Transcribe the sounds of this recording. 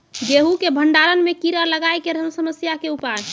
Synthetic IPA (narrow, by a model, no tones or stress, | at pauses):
ɡeɦukebʱəɳɖaɾənmekiɾələɡajkeɾəmsəməsjakeupan